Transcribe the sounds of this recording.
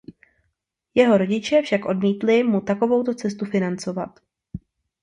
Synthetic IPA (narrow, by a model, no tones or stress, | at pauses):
jɛɦo̞ɾo̞ɟɪt͡ʃɛfʃakʔo̞dmiːt̪lɪmut̪ako̞vo̞wt̪o̞t͡sɛs̬t̪ufɪnant͡so̞vat̪